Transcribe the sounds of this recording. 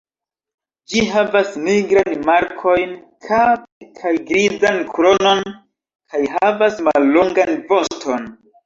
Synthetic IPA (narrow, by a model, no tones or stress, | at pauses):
d͡ʒiɦavasmiɡɾanmaɾkʰo̞jn | kʰavekʰajɡɾizankɾo̞no̞n | kʰajhavasmalːoŋɡanvo̞stʰo̞n